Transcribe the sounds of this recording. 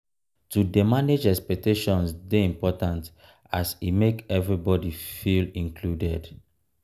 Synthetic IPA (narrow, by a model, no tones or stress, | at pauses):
tudemaned͡ʒɛspɛk̚teʃɔ̃nsdeĩmpɔtãnt | asimekɛvɹibɔdifilĩŋkʰludɛd